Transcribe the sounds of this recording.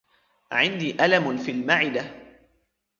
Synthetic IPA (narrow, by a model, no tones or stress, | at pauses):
ʕɪnd̪iːʔalamnfiːlmaʕɪd̪a